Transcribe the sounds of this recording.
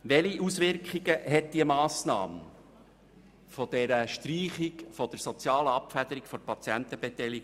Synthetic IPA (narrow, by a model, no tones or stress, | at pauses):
ʋɛliʔusʋɪɾkχiɡəɦɛt̚d̥̪iəmɑːsnɑ̰ːm | fɔd̥̪ɛɾəʃtriːχikfɔd̥̪əɾsɔt͡sjɑːləɑpfæd̪̥əɾikfɔɾpɑt͡sjænt̪əb̥ɛt̪ɛliɡ